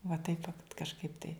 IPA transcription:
ʋɐ tɐɪp ʋɐ kɐʃˈkɐɪp tɐɪ

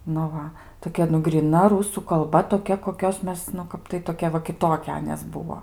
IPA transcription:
nʊ ˈʋɐ toːˈkʲɛ nʊ ɡrʲiːˈnɐ ˈruːsuː kɐlˠˈbɐ toːˈkʲɛ koːˈkʲoːs ˈmʲɛs nʊ ˈkɐp tɐɪ toːˈkʲɛ ʋɐ kʲɪˈtoːkʲɛ ˈɑːnʲeːs ˈbʊʋoː

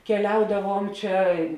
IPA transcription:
kʲɛˈlʲɛʊdɐʋuɔm ˈt͡ʃʲɛ

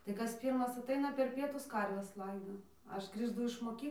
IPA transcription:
tɐɪ ˈkɐs ˈpʲiːrmɐs ɐˈtɐɪnɐ pʲɛr ˈpʲiɛtʊs ˈkɐrʲʋʲɛs ˈlˠɐɪdoː ˈɐʃ ɡrʲiːʃˈtʊ ɪʃ moːˈkʲiː

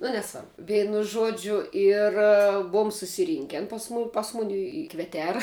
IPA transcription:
nʊ nʲɛˈsʋɐrbʊ ˈʋʲɛɪnʊ ˈʒuɔd͡ʒʲʊ ˈɪr ˈbʊʊm sʊsʲɪˈrʲiːŋʲkʲɛn ˈpɐs mʊ ˈpɐs ˈmʊnʲɪ ɪ ɪ kʋʲɛˈtʲæːrɐ

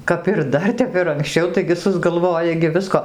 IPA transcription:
kɐp ɪr ˈdɐr ˈtʲɛp ɪr ɐŋkˈsʲt͡ʃʲɛʊ ˈtɐɪɡʲɪ sʊzɡɐlˠˈʋoːjɛ ɡʲɪ ˈʋʲɪskoː

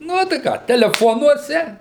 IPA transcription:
ˈnʊ tɐɪ ˈkɑː tʲɛlʲɛˈfoːnuɔsʲɛ

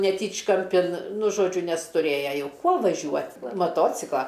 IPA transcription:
nʲɛˈtʲiːt͡ʃkɐmʲpʲɪn nʊ ˈʒoːd͡ʒʲʊ nʲɛs tʊˈrʲeːjɛ ˈjɛʊ ˈkuɔ ʋɐˈʒʲuɔt mɐˈtoːt͡sʲɪklˠɐ

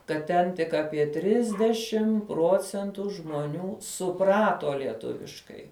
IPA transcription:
kɐt ˈtʲɛn tʲɪk ˈɑːpʲiɛ ˈtʲrʲɪzʲdʲɛʃʲɪm ˈpruɔt͡sʲɛntʊ ʒmoːˈnʲuː sʊˈprɑːtoː lʲiɛˈtʊʋʲɪʃkɐɪ

